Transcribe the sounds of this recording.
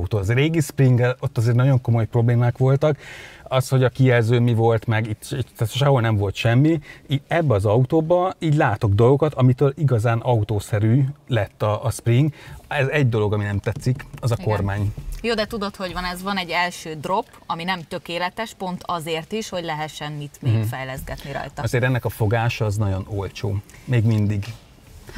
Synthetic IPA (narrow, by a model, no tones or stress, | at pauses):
ut̪oːzeɾeːɡispriŋɡɛlot̪ːɒzeːɾrnɒɟo̞ŋko̞mo̞jpro̞bleːmaːkʋo̞lt̪ɒkɒsho̞ɟɒkiɛlzøːmivo̞lt̪mɛɡit̪ːit̪ːɛt̪ʃɒɦolnɛɱvo̞lt̪ʃɛmːiiɛbːɛɒzɒut̪oːbɒiːɟʲlaːt̪o̞ɡ̚d̪o̞lˠɡo̞kɒt̪ʰɒmit̪øːliɡɒzaːnʔɒut̪oːsɛɾyːlɛt̪ːɒʔːspriŋɡɛzɛɟd̪o̞lo̞ɡɒminɛmt̪ɛt̪sikɒzɒko̞rmaːɲjoːd̪ɛt̪ud̪o̞t̪ho̞ɟʋɒnɛzʋɒnɛɟːɛlʃøːd̪ro̞p | ɒminɛmt̪ø̞keːlɛt̪ɛʃpo̞nt̪ɒzeːrt̪iʃho̞ɟlɛɦɛt̪ʃːɛnmit̪meːfɛjlɛzɡɛt̪niɾɒ̰jt̪ɒɒzeːɾɛnːɛkɒfo̞ɡaːʃɒːznɒɟo̞nolt͡ʃo̰ːmeːɡmind̪iɡ